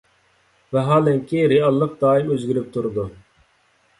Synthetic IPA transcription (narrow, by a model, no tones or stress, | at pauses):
vɛɦɑːlɛŋkʲiɾiɑlˠːəq̚d̪ɑːimøzɡʲiɾyp̚t̪ʰuɾɨd̪u